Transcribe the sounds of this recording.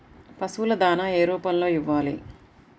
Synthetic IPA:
pɐsulɐd̪aːnaːeːɾuːpɐnlo̞ːiʋːaːlḭ

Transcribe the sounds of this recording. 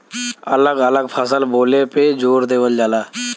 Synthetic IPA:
ələɡələɡpʰəsəlboːleped͡ʒoːɾd̪eːʋəld͡ʒaːlaː

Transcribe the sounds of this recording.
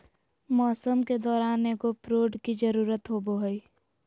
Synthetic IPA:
mɔːsəmked̪ɔːɾaːneːɡopɾoːɖkid͡ʒəɾuːɾət̪ɦoboɦəiː

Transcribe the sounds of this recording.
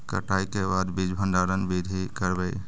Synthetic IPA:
kə̰ʈaikebad̪bid͡ʒbʱə̃nɖaːɾənbid̪ʱikəɾbəj

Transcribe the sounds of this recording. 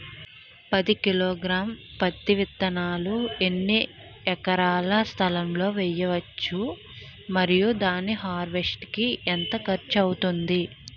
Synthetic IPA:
pɐd̪ikiloːɡɾaːmpɐt̪ːiʋit̪ːɐnaːluenːi | ɛkɐɾaːlɐst̪ʰɐlɐmlo̞ːʋɛjɐʋɐt͡ʃːu | mɐɾijud̪aːniɦaːɾʋesʈkient̪ɐkɐɾt͡ʃɐwut̪und̪i

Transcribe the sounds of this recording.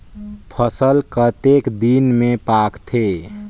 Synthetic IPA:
pʰəsəlkət̪ekd̪inmepakt̪ʰe

